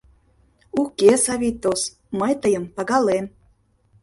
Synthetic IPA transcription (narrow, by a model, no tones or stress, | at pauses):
ukesɑβʲit̪ːos | məjt̪əjə̆mpɑɣɑlen